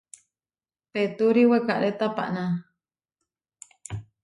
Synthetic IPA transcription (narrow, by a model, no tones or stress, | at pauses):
pet̪uɾiwekaʔɾet̪apa̰ʔna